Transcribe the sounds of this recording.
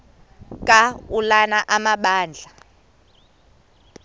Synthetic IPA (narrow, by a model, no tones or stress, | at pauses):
kʼaulanaʔamaɓaːnd͡ɮʱa